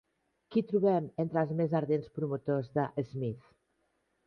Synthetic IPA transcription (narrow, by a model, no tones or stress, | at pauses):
kit̪ɾuβɛment̪ɾəlˠzmezaɾðenspɾumut̪ozðəʔezmiθ